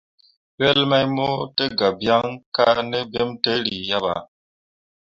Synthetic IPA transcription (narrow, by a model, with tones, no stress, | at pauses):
ɥɛ˦lma˦jmo˦te˦ɡa˨bja˦ŋka˦ʔne˦be˦mtə˦li˨ja˦ba̰˨